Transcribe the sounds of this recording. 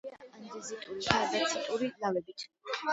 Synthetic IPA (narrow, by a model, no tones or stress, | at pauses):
and̪izit̪ʼuɾiʃʰaad̪at̪sʰit̪ʼuɾilavɛbit̪ʰ